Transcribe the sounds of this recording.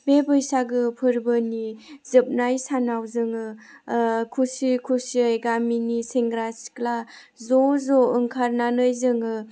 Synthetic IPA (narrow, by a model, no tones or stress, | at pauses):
bebɯjsaɡɯpʰɯɾbɯnizɯp̚najsanawzɯŋɯ | kʰusikʰusiajɡaminiseŋɡɾasi̥kla | zɔzɔɯŋkʰaɾnanɯjzɯŋɯ